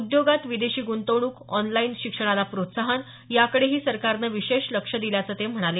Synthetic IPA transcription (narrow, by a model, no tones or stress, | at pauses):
ud̪joɡat̪ʋid̪eɕiːɡunt̪əɽ̃uːkɔnlainɕikʂəɽ̃alapɾot̪saɦan | jakəɽeɦiːsəɾkaɾnəʋiɕeɕləkʂəd̪iljat͡səːt̪em̤əɽ̃ale